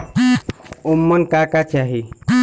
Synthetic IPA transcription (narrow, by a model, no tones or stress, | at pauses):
umːənkakat͡ɕaɦi